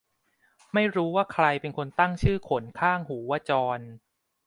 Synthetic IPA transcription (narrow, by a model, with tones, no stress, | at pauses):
ma˥˩jɾuː˦˥waː˥˩kʰɾa˧jpe˧nkʰo˧nt̪a˥˩ŋt͡ɕʰɯː˥˩kʰo˩˦nkʰaː˥˩ŋhuː˩˦wa˧˥˩t͡ɕɔː˧n